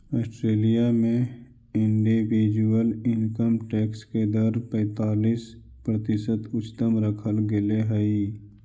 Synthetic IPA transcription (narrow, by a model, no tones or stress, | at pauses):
ɔːsʈɾeːlijamẽ | ɪ̃ɳɖiʋiːd͡ʒuəlɪnkəmʈɛːksked̪əɾpɛ̃ːt̪aːliːs | pɾət̪ɪsət̪ʊt͡ʃt̪əmɾəkʰəlɡeleɦɛi